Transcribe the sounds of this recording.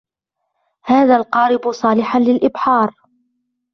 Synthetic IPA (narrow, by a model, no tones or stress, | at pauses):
haːðaːlqɑːɾɪbʊsˤɑːlɪħanlɪlʔɪbħɑːɾˤ